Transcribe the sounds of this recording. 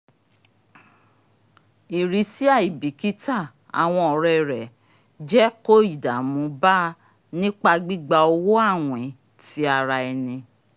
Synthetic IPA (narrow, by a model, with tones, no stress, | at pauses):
i˨ɾi˨˦si˦a˦˨i˨bi˨ki˦ta˦˨ | a̰˨w̃ɔ̃˧ɔ˨ɾɛ˧ɾɛ˨ | d͡ʒɛ˦ko˦˨i˨da˨mũ˨˦ba˦ | nĩ˦k͡pa˧ɡ͡bi˦ɡ͡ba˧o˧wo˦a˦˨w̃ɛ̃˨˦ | ti˨˦a˧ɾa˧ɛ˧nĩ˧